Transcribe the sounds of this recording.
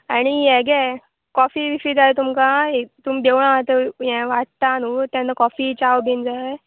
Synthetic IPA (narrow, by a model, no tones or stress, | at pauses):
aɽ̃ijɛɡɛ | kɔfiʋifid͡zaet̪umkaet̪umd̪ewɳ̃aat̪əjɛ̃ʋaʈ̚t̪anut̪jãnːakɔfit͡ɕawbʱind͡zae